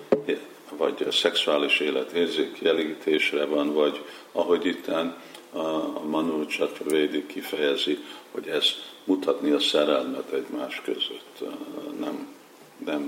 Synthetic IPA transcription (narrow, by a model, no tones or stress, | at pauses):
vɒ̰ɟsɛksuaːliʃeːlɛt̪eːrzeːkiɛliːt̪ʰeːʃrɛvɒnvɒɟ | ɒɦo̞ɟit̪ːan | ɒmɒnult͡ʃɛt̪oveːd̪ikːifɛjɛziho̞̰ɟɛz̥mut̪ʰɒt̪niɒsɛɾɛlmɛt̪ɛɟmaːʃkø̰zø̰t̪ːnɛm | nɛm